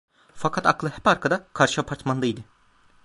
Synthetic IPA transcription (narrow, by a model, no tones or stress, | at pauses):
fakʰat̪aklˠɯhɛpaɾkʰad̪akʰaɾʃɯapʰaɾt̪mand̪ajd̪ɯ